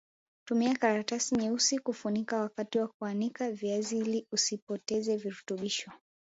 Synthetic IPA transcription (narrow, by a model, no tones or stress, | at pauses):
tumiakaɾatasiɲɛusikufunikawakatiwak̚uanikaviaziiliusipɔtɛzɛviɾutuɓiʃɔ